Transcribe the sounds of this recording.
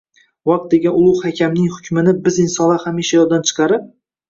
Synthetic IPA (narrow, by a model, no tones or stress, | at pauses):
wɑq̚t̪̚d̪e̞ɡʲanʊlˠʊhakʲʰamnɪŋhʊkʲʰmɪnɪbɪzɪnsɒnlˠahamiʃajɒd̪ant͡ʃʰɨ̥qʰɑɾɪp̚